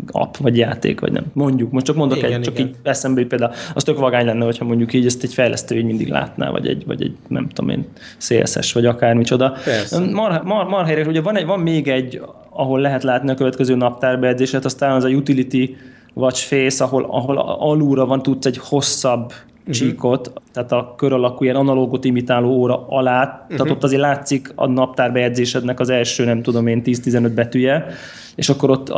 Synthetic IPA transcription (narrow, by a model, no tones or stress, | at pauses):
ɒ̰pvɒɟjaːt̪ḛːkʋɒ̰ɟnɛ̰mmo̞ɲɟukmo̞ʃtt͡ʃɒkmo̞nd̪okɛt͡ʃɒkkiːɟɛsɛmbɛlit̪̚peːld̪auɒ̰st̪ø̞kvɒɡaːɲlɛnːɛɦo̞cʰhɒmo̞ɲɟukiːɟɛst̪ɛcfɛjlɛ̰st̪øːiːɟmind̪ḭɡla̰ːt̪na̰ːvɒ̰ɟɛ̰ɟvɒ̰ɟɛ̰ɟnɛ̰mt̪oo̰mḛːn | sḛːlsɛ̰ʃʋɒɟɒkaːrmit͡ʃo̞d̪ɒmɒrhmɒrmɒrɦɛjɾɛkuɟɛvɒnɛvɒmːeːɡɛɟː | ɒɦo̞lːɛɦɛt̪laːt̪niɒkøvɛt̪kɛzøːnɒp̚t̪aːrbɛɛd̪zeːʃɛt̪ɒst̪aːnɒzɒjut̪ilit̪i | vɒt͡ʃfeːsɒɦo̞lɒ̰ɦo̞l̰ɒluːɾɒvɒnt̪ut̪sɛɟho̞sːɒbː | t͡ʃiːko̞t̪ːaːt̪ɒkø̞ɾɒlɒkuiɛnɒnɒloɡot̪imit̪aːloːoːɾɒɒlaːt̪ːaːt̪o̞t̪ːɒzeːɾlaːt̪sikɒ̰nɒp̚t̪aːrbɛjɛɟd̪zeːʃɛd̪nɛkɒzɛlʃøːnɛmt̪ud̪o̞meːnt̪iːst̪izɛnød̪̚bɛt̪yjɛ | ḛːʃɒkːo̞ɾo̞t̪ː